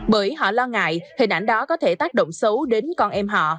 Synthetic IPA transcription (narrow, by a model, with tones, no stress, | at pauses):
ɓəː˧˩jɦɔ̰˧˨lɔ˧ŋa̰ː˧˨jhï˨˩ŋ̟ʔa˧˩jŋ̟ɗɔ˨˦kɔ˨˦t̪ʰe˧˩t̪aː˦˥k̚ɗo̰˧˨wŋ͡msə˨˦wɗe˨˦nkɔ˧nʔɛ˧mɦɔ̰˧˨